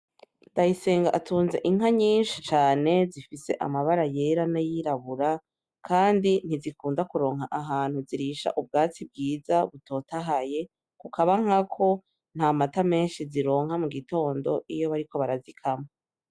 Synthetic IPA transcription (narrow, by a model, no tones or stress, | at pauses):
ndajise̞ːŋɡaʔatʰuːnzeʔiŋɦaɲiːnʃit͡ʃaːne̞zifise̞ʔa̰maβaɾaje̞ɾanajiɾaβuɾa | kʰaːndin̥izikuːndakuɾo̞ːŋɦaʔaɦaːn̥huziɾiʃa̰ʔub̚ɡaːt͡sib̚ɡiːzaβuto̞ːtaɦaje̞ | kukaβaŋ̥akʰo̞ | n̥haːmatame̞ːnʃiziɾo̞ːŋhamuɡito̞ːndo̞̰ʔijo̞βaɾiko̞βaɾazikʰamo